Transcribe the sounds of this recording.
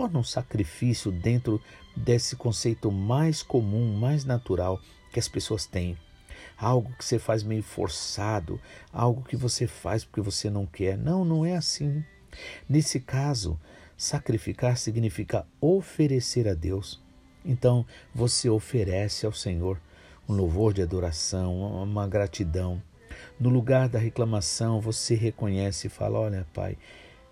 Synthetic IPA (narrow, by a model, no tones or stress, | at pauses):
t̪ɔɾnɐũsakɾifisjʊd̪ẽnt̪ɾʊ | d̪esɪkõsejt̪ʊmajskomũmajznat̪uɾaw | kɪɐspesoɐst̪ẽj̃ | awɡʊkɪ̥sefajzmejʊfo̰ɾsad̪ʊ̰a̰wɡʊkɪvosefa̰jspʊɾkevosenɐ̃w̃kɛɾnɐ̃w̃nɐ̃w̃ɛasĩ | nesɪkazʊ̰sakɾifikaɾsiɡnifikɐofeɾeseɾad̪ews | ẽnt̪ɐ̃w̃voseofeɾɛsɪawsẽɲoɾ | ũlowvoɾd͡ʒɪad̪oɾasɐ̃w̃ũmɐɡɾat͡ʃid̪ɐ̃w̃ | nʊluɡaɾd̪ɐɦeklɐ̃masɐ̃w̃voseɦekõɲɛsɪɪfa̰lɐɔʎɐpa̰j